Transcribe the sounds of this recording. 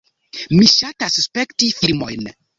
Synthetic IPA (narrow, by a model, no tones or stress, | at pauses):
miʃatasuspe̞ktifiɾmo̞̰jn